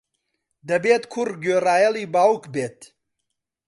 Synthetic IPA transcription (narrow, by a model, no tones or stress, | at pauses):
d̪ɐbeːt̪kʰurɡøːɾaːjɐliːbaːwukʰbeːt̪